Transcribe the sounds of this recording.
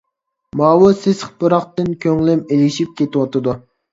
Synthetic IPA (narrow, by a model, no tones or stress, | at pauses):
mɑːwusɪsχpɨɾɑχt̪ɨnkʲʰøŋlɪmelɪʃip̚kʲʰet̪ɪwɑt̪ʰɨd̪u